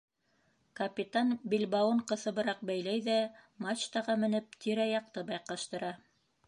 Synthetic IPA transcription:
kɐpʲit̪anbʲilʲbɑwɤɴqɤ̆θɤ̆βɤ̆ɾɑq̚bæjlæjðæmɑt͡ɕt̪ɑʁɑmɘ̆nɘp̚t̪ʰiɾæjɑq̚t̪ɤbɑjqɑʃt̪ɤ̆ɾɑ

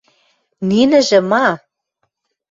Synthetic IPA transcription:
ninə̆ʒə̆mɑ

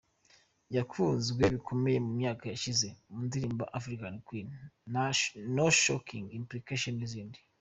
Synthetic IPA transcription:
jakuːnzɡwe̞βikʰo̞me̞je̞mumɲaːkajaʃize̞mundiɾiːmbaʔafɾikankwin | noʃokiŋɡimplikaʃonniziːndi

